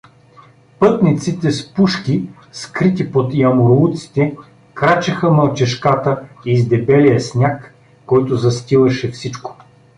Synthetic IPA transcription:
pɤt̪nit̪sit̪ɛspuʃkʲi | skɾit̪ipot̪jɐmoɾut̪si̥t̪ɛ | kɾat͡ʃɐxəmɐlˠt͡ʃɛʃkat̪əizd̪ɛbɛlijəsnʲakː | ɔjt̪ʊzɐst̪ʲilˠɐʃɛfsit͡ʃko̥

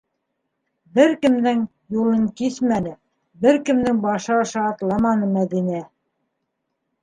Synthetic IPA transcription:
bɘɾkɘ̆md̪ɘŋ | julˠɤŋkismænɘ | bɘɾkɘ̆md̪ɘŋbɑʃɤɑʃɑːt̪lˠɑmɑnɤmæðinæ

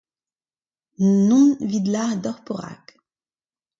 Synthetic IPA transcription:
nɔ̃vid̪laʁd̪ɔʁpɔʁa̰k

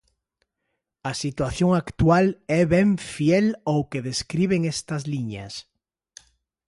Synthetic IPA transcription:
ɐsit̪waθjoŋakt̪walɛβɛɱfjɛlowkeðeskɾiβ̞eŋɛst̪ɐzliɲa̰s

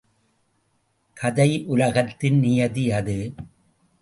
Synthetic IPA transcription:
kʰɐðɐɪʔʊlɐɣɐt̪ːɪnnɪjɐðijɐðɯ

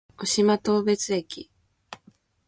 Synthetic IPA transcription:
oɕimat̪o̞ːbe̞t͡sɨekʲi

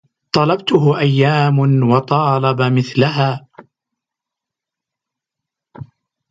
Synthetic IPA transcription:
t̪ˤɑlɑbt̪ʊɦʊʔajːaːmʊnwɑt̪ˤɑːlɑbamɪθlaɦaː

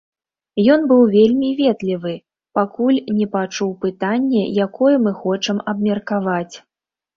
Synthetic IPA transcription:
jɔnbɨwvʲelʲmʲivʲɛt̪lʲivɨ | pakulʲnʲɛpat͡ʂuwpɨt̪anʲːɛjakɔjɛmɨxɔt͡ʂɐmɐbmʲɛrkavat͡sʲ

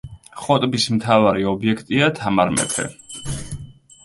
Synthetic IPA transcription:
χɔt̪ʼbismt̪ʰavaɾiɔbiɛkʰt̪ʼiat̪ʰamaɾmɛ̰pʰɛ̰

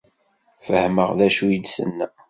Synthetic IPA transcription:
fəhməʁðæʃujid̪sə̰nːæ

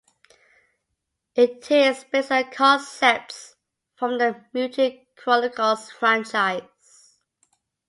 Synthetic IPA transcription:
ɪtʰɪspɛsəlkʰɔsɛp̚s | fɹə̃mðəmjutʰikʰɹɔnɪkʰəlsfɹãnt͡ʃaɪz̥

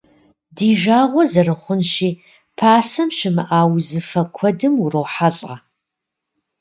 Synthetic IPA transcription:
diːʒaːʁʷɔzɐrɨχʷʊnʃiː | pʰaːsɐmʃɪmɨʔaːwzɨfɐkʷʰɔdɨmurowħaɮʼa

